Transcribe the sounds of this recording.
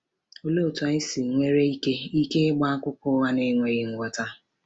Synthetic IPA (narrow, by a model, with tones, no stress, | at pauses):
o˦lo˦˨ta˨ɪ˦sɪ˨ŋʷe˦ɾe˦i˦ke˦i˦ke˦ɪ˦ɡ͡ba˦a˦kʷʊ˦kʊ˦wa˦ne˦ŋʷe˨ɣɪ˦ŋ̩˨ɡʷɔ˨ta˦